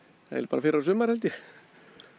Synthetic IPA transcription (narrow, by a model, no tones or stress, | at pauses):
aɛ̰lpaːɾafɪːɾasʏːmːaɾ̥hɛlt̪jɛ